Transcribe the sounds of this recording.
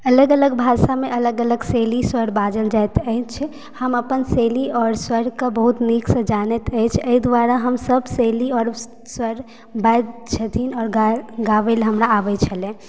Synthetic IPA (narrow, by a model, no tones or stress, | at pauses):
ələɡələɡbʱasameʔələɡələɡseliswəɾbad͡ʒəld͡ʒajt̪əɦt͡ʃʰɛ | həməpənseliɔɾswəɾkebəɦut̪niksə̃d͡ʒanɛt̪əjt͡ʃʰəid̪ʋaɾaɦəmsəbseliɔɾ | swəɾ | bad̪t͡ʃʰət̪ʰinɔːɾɡɡaʋelɦəmɾaːʋɛt͡ʃʰəlɛ̃